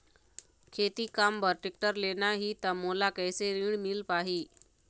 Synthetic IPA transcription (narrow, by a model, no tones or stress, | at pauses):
kʰet̪iːkambəɾʈik̚ʈəɾlenaɦiːt̪əmolakəjseɾiɳ̃milpaɦiː